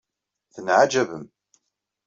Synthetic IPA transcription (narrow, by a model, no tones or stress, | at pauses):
θənʕad͡ʒævəm